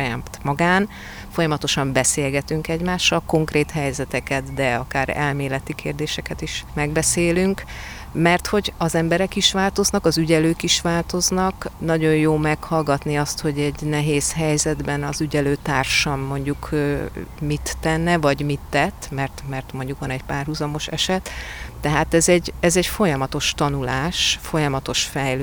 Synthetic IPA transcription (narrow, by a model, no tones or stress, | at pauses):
ja̰ːmt̪mɒɡaːn | fo̞jɒmɒt̪o̞ʃɒmbɛseːlɡɛt̪yŋkɛɟmaːʃːɒlko̞ŋkreːt̪hɛjzɛt̪ɛkɛt̪d̪ɛɒkaːɾɛ̰lmeːlɛt̪ikʰeːrd̪eːʃɛkɛt̪iʃmɛɡbɛseːlyŋk | mɛrt̪ho̞ɟɒzɛmbɛɾɛkiʃʋaːlt̪o̞znɒkɒzyɟɛløːkiʃʋaːlt̪o̞znɒknɒɟo̞jjoːmɛkhɒlɡɒt̪niɒst̪ho̞ɟɛɟnɛɦeːshɛjzɛd̪bɛnɒzyɟɛløːt̪aːrʃɒmːo̞ɲɟukː | mit̪ːɛnːɛvɒɟmit̪ːɛt̪ːmɛrt̪mɛrt̪mo̞ɲɟukʋɒnɛcpaːrɦuzɒmo̞ʃɛʃɛt̪ːɛɦaːt̪ɛzɛɟɛzɛcfo̞jɒmɒt̪o̞ʃt̪ɒnulaːʃfo̞jɒmɒt̪o̞ʃfɛjlø